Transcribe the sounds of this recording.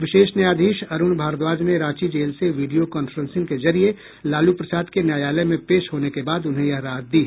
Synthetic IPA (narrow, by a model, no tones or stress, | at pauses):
ʋɪʃeːʃnjaːd̪ʱiːʃɐɾʊnbʱaːɾt̪ʋaːd͡ʒneɾaːt͡ʃid͡ʒeːlseʋiːɖijokɔːnfəɾə̃nsɪ̃ŋkezɐɾie | laːlupɾɐsaːd̪kenjaːjaːləjmẽpeːʃɦoːnekebaːd̪ʊnɦẽjɐɦɾaːd̪̚d̪iː